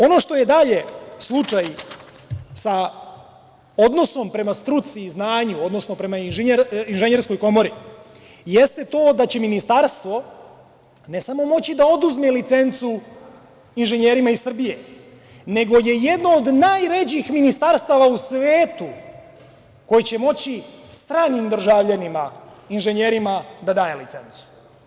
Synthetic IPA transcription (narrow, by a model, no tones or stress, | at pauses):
o̞no̞ʃt̪o̞je̞d̪aʎe̞slˠut͡ʂaj | sa | o̞d̪no̞so̞mpɾe̞mast̪ɾut̪siːznaːɲuo̞d̪no̞sno̞pɾe̞mainʒeɲɾinʒeɲeɾsko̞jko̞mo̞ɾi | jest̪e̞t̪o̞ːd̪at͡ɕe̞minist̪aɾst̪ʋo̞ | ne̞samo̞mo̞t͡ɕid̪aod̪uzmelit̪se̞nt̪su | inʒeɲeɾimaisr̩bije | ne̞ɡo̞je̞jed̪no̞ːd̪najɾed͡ʑixminist̪aɾst̪aʋausʋeːt̪u | ko̞jit͡ɕe̞mo̞t͡ɕist̪ɾaːnimd̪r̩ʒaʋʎanimainʒe̞ɲeɾimad̪ad̪aːjelḭt̪se̞nt̪su̥